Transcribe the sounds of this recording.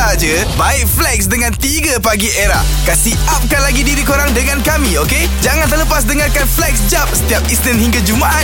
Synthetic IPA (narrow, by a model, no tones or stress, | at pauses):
ad͡ʒə | baɪk̚flɛksdəŋãnt̪iɡəpaɡiʔeɾah | kasiʔap̚kanlaɡidiɾikoɾaŋdəŋãnkamĩoke | d͡ʒaŋant̪ərləpas̬dəŋarkanflɛksd͡ʒap̚sə̥t̪iap̚isnənhiŋɡad͡ʒumaʔa